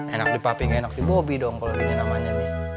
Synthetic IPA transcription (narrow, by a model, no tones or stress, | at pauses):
enak̚dipapɪŋenak̚dibobidɔŋkalonamaɲabi